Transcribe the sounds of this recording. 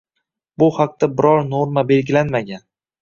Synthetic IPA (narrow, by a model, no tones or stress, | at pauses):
bʊhaq̚t̪abɪɾɒɾnoɾmabe̞lɡʲɪlanmaɡʲan